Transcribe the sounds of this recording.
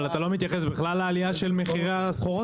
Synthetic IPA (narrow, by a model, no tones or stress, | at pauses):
lat̪alo̞mit̪jaχesbiχlalːaːlijaʃe̞lmeχiʁasχoʁo